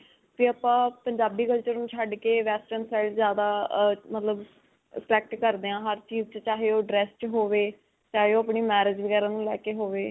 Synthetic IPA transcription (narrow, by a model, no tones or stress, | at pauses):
piəːpãːpəɲd͡ʒaːbiːkəlt͡ʃəɾnũːt͡ʃʰəɖkeːʋɛːsʈənsɛːɖzjaːd̪aːmət̪ləb | əplɛːk̚ʈkəɾd̪eːãːɦəɾt͡ʃiːzt͡ʃt͡ʃaːɦeːoːɖɾɛːst͡ʃɦoːʋeː | t͡ʃaːɦeːoːapɳeːmɛːɾɪd͡ʒʋəɡɛːɾãːnũːlɛːkeːɦoːʋeː